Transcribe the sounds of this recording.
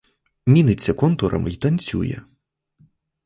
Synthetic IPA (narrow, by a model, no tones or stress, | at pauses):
mʲinɪt͡sʲːɐkɔnt̪uɾʔɐ̰mit̪ɐnʲt͡sʲṵjɛ̰